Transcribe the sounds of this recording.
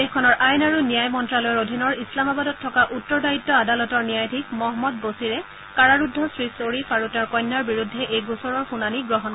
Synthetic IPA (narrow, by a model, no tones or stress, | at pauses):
ekʰɔnɔɹʔajnaɹunijajmɔntɹalɔjɔɹodʱinɔɹislamabadɔtʰːɔkaʔutːɔɹdaitːɔadalɔtɔɹnijajdʱikmɔɦmɔd̚bosiɹɛ | kaɹaɹudʱːɔsɹisoɹifaɹutɛ̃ɹkɔjnːaɹbiɹudʱːɛʔejɡusɔɹɔɹxunaniɡɹɔɦɔnk